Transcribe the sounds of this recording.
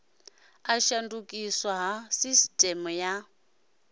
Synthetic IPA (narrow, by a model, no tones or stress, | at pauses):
aʃandukʼiswaɦasistʼɛmuja